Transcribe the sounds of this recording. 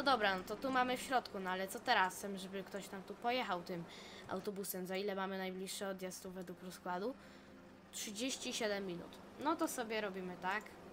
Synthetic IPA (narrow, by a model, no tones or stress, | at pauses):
ɔd̪ɔbɾanɔt̪ɔt̪umamɘfɕɾɔt̪kunɔalɛt̪sɔt̪ɛɾast̪ɛmʐɛbɘkt̪ɔɕt̪amt̪upɔjɛxawt̪ɘmʔa̰wt̪ɔbusɛmt̪zɔilɛmamɘnajblʲiʂːɛɔd̪jɛst̪uvɛd̪wukɾɔskwad̪u | tʂɘd͡ʑeɕt͡ɕiɕɛd̪ɛmːʲinṵt̪ | nɔt̪ɔsɔbʲjɛɾɔbʲimɘt̪ak